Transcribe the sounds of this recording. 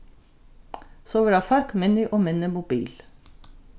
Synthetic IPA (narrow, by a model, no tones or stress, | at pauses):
soːʋəɾɑːfɑɾkmɛnʏʔoːmɛnəmʊbḭːl